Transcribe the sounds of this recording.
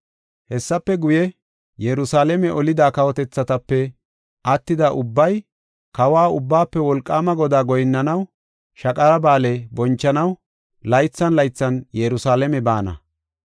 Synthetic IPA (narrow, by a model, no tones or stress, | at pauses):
hɛsːɐpːɛɡʊjɛ | jɛɾʊsaːlɛmɛʔɔlɪd̪aːkɐwɔt̪ɛt͡sːɐt̪ɐpːɛ | ʔɐt̪ːɪd̪aʔʊbːɐj | kɐwaːʊbːaːpːɛwɔlkʼːaːmɐɡɔd̪aːɡɔjɪnːɐnɐw | ʃɐkʼɐɾɐbaːlɛbɔnt͡ʃːɐnɐw | lɐjt͡sːɐnlɐjt͡sːɐnjɛɾʊsaːlɛmɛbaːnɐ̰